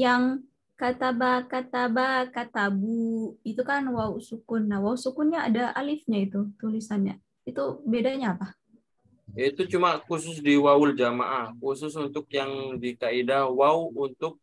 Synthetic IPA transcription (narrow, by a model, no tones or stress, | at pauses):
jaŋ | kat̪abakat̪abakat̪abuit̪ukanwausukʊnːahwausukʊnɲaa̰daa̰lɪfɲait̪ut̪ulisanɲa̰ | it̪ubedaɲaːpa | jait̪ut͡ʃumakusʊs̬diwaʊld͡ʒama̰ʔakusʊsunt̪ʊk̚jaŋdikaidawauunt̪ʊk̚